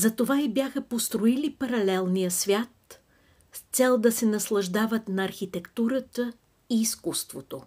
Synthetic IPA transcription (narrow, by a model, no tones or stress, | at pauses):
zɐt̪ovaibjaxəpost̪ɾoilipɐɾɐlɛlˠnijəsvʲjat̪ | st̪sɛlˠd̪ɐsɛnɐslˠɐʒd̪avət̪nɐːɾxit̪ɛkt̪uɾət̪ə | iːskust̪vot̪o